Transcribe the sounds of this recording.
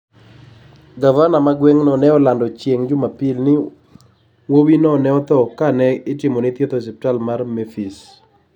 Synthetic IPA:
ɡavanamaɡweŋnɔnɛɔlandɔt͡ʃjeŋd͡ʒʊmapilnɪ | wowinɔnɛɔt̪ɔkanɛɪtɪmɔnɪt̪jet̪os̬ɛpɪtalmarmefis

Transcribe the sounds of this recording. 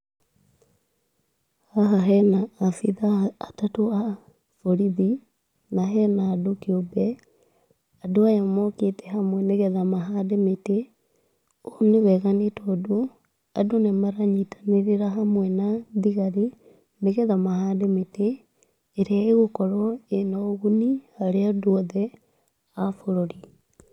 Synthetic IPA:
haɦaɦɛnaːfiðaːtatoa | foɾiði | naɦɛnaːdokiobɛ | adoajamɔketɛɦamwɛneɣɛðamaɦaːdemete | oneβɛɣanetɔdo | adonemaɾaɲitʰḁneɾeɾaɦamwɛnaðiɣaɾe | neɣɛðamahaːdemeteː | ɾeaeɣokɔɾɔenɔɣunihaɾeadoɔðɛ | afoɾoɾi

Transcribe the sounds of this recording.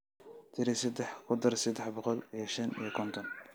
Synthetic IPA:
t̪ʰɪɾɪsɛd̪ɛħkʰʊd̪ɐrsɛd̪ɛħbɔqɔlijɔʃɐnijɔkʰɔnt̪ʰɔn

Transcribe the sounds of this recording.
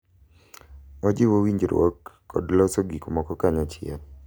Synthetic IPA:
ɔd͡ʒɪwowiɲd͡ʒɾwo̰kː | ɔ̰dlɔsoɡikomɔkɔkaɲat͡ʃɪɔ̰

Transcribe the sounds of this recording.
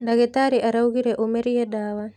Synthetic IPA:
ndaɣɛt̪aɾiʔaɾauɣiɾɛʔumɛɾijɛdaːwa

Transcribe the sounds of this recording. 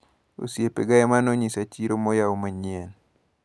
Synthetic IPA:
o̰sjepeɡaɛmanoɲisat͡ʃiɾomojaumaɲiɛn

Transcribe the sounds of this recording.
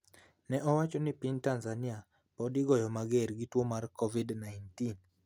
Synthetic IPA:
nɛʔɔwat͡ʃɔnɪpintanzania | pɔdɪɡɔjɔmaɡeɾɡitwomarkɔvidnajntin

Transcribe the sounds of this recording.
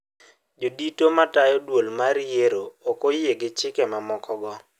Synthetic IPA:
d͡ʒoditomatajɔdwolmaɾieɾookojeɡɪt͡ʃɪkɛmamɔkɔɡɔ

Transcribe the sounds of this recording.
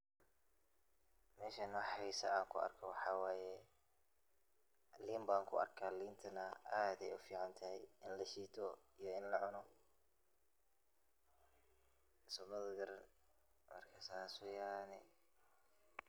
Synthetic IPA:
mɛːʃɐnwɑħɛsɐaːŋkʰʊɐ̰rkʰɔwɑħɑːwaːjɛ | liːmbaːŋkʰʊɐ̰rkʰaːliːnt̪ʰɐnɐaːd̪ɛjʊfiːʕɑnt̪ʰɐhɛjɪnlɐʃiːt̪ʰɔijɔɪnlɐʕʊnɔ | sʊbɐðɡɐɾɐ | mɐ̰rkʰɐsaːsʊjaːnɪ

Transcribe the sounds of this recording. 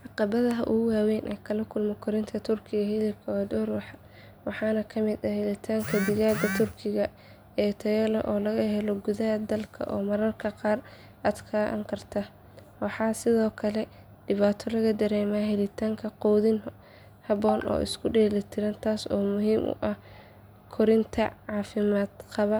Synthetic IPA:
ʕɑqɑβɐðɐɦɐ̰ʔʊ̰ɣʊwaːwɛːnʔɛːkʰɐlɐkʰʊlmɔkʰʊɾɪnt̪ʰɐt̪ʰʊrkʰɪɣɐhɪlɪb̚kʰɐɐd̪ɔːrwɑħɑ | wɑħɑːnɐkʰɐmɪd̪ɐhɪlɪt̪ʰaːŋkʰɐd̪ɪɣaːd̪ɐt̪ʰʊrkʰɪɣɐ | ɛːt̪ʰɐjɛlɐ̰ʔɔːlɐɣɐhɛlɔɡʊðɐɦɐd̪ɐlkʰɐ̰ʔɔːmɐɾɐrkʰɐqɑːr | ʔaːd̪kʰɐʔɐ̰ŋkʰɐrt̪ʰɐ | wɑħɑːsɪðɔːkʰɐlɛ | ɖɪβaːt̪ʰɔlɐɣɐd̪ɐɾɛːmaːɦɛlɪt̪ʰaːŋkʰɐqɔːðɪn | hɐβɔːnʔɔ̰ːʔɪ̰skʰʊɖɛːlɪt̪ʰɪɾɐnt̪ʰaːsɔːmʊɦiːmʔʊ̰ʔɐh | kʰɔɾɪnt̪ʰɐ̰ʕɑːfɪmaːd̪qɑβɐ

